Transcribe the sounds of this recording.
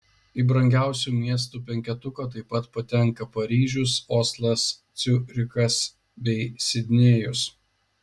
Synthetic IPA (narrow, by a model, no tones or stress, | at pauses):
iːbɾɐŋʲɡʲæˑʊsʲuːmʲiɛs̬t̪uːpʲɛŋʲkʲɛt̪ʊkɐt̪ɐɪpɐt̪pɐt̪ʲɛŋˑkɐpɐɾʲiːʒʲʊsoːslˠɐst̪sʲʊɾʲɪkɐs | bʲɛɪsʲɪd̪ʲnʲeːjʊs